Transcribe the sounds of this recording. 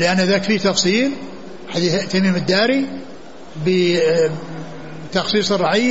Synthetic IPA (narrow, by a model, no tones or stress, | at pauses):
lɪʔanːɪðaːkfiːt̪ɑfsˤiːl | ħad̪it̪amiːmɪd̪ːaːɾi | bə | t̪ɑxsˤiːsˤɨrˤːɑʕɪjː